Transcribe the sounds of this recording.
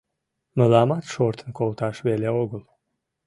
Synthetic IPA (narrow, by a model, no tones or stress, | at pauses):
məlˠɑmɑt̪ʃoɾt̪ʰənkʰolˠt̪ɑʃβeleoɣəlˠ